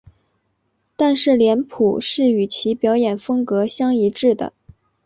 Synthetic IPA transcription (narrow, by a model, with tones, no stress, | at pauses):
t̪a˥˧nʂɻ̩˥˩ljɛ˧˥npʰu˨˩ʂɻ̩˥˩y˨˩t͡ɕʰi˧˥pjɑ˧˥ʊjɛ˨˩nfɤ˥ŋkɤ˧˥ɕjɑ˥ŋi˧˥ʈ͡ʂɻ̩˥˩d̪ə̰˩